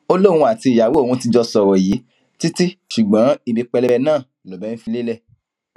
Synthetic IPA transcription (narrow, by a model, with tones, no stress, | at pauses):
o˦lo˦˨w̃ũ˧a˨ti˧˨ja˨we˨˦o˦˨wũ˧ti˧d͡ʒɔ˧sɔ˧˨wɔ˨ji˨˦ | ti˦ti˦ʃu˨ɡ͡bã˨˦i˧bi˧k͡pɛ˧lɛ˧ɛ˧nãː˦˨lɔ˨bɛ˨˦n̩˦fi˧le˦lɛ˦˨